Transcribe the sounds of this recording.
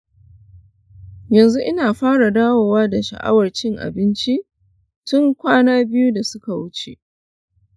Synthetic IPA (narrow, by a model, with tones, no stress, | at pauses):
jɐ˨nzu˦ʔɪ˦naː˨ɸaː˦ɽa˨daː˦woː˨waː˦da˨ʃɐ̰˨ʔa̰˦wɐ˨rt͡ʃɪ˦ŋʔa̰˨bɪ˦nt͡ʃi˦ʔ | tʊ˦ŋkʷaː˦naː˦bɪ˦ju˦da˨sʊ˦ka˨wʊ˦t͡ʃḛ˨ʔ